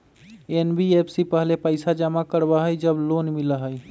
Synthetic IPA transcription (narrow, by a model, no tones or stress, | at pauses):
enbiepsipəɦlepəɪsad͡ʒamakəɾbaɦəjd͡ʒəblonmiləɦəj